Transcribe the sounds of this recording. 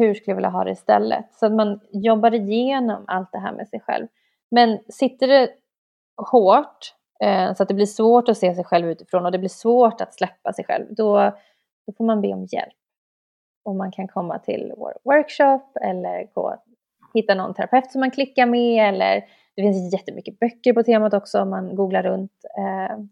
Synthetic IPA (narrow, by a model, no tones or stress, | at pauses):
hɵʂkɵljvɪːljaɦɑːd̪ɛ̰ɪst̪ɛ̰lːə̰t̪sɔat̪manjɔbːaɾɪjeːnɔma̰lt̪̚d̪ɛɦæːɾmʔɛ̰sɛjɧɛ̰lv | mɛnsɪt̪ːəɖɛ | hoːʈ | sɔat̪̚d̪ɛblɪʂvoːʈɔseːsɛjɧɛlvʉ̟ːt̪ɪ̥fɾoːnɔd̪ɛblɪʂvoːʈat̪slɛpːasɛjɧɛ̰lvd̪ɔ | d̪̥ɔfoːɾmanbḛːɔmjɛ̰lp̚ | ɔmːankʰankʰɔmːa̰t̪ʰɪ̰l̰wœɾkʂɔpːɛ̰lːəɾɡo̰ː | hɪt̪ːanɔ̰nt̪ʰɛɾapʰɛft̪sɔmːankʰlɪkːaɾmɛɛlːə̰ɾ | d̪̥ɛfɪnsjɛt̪ːəmʏkːəbœkːəɾpɔt̪ʰeːmat̪ɔksɔɔmːanɡuːɡlaɾɵnt̪